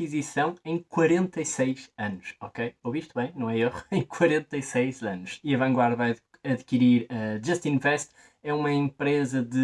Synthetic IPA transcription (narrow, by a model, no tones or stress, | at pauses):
izisɐ̃w̃ẽj̃kwɐɾẽnt̪ɐjsɐjʃɐnuʃɔkejoviʃt̪uβɐ̃j̃nɐ̃w̃ɛeʁuẽj̃kwɐɾẽnt̪ɐjsɐjzɐnuʃiɐvɐ̃ŋɡwaɾðvaj | ɐðkiɾiɾɐʒɐʃt̪ĩnvɛʃt̪ | ɛumɐẽmpɾezɐðɨ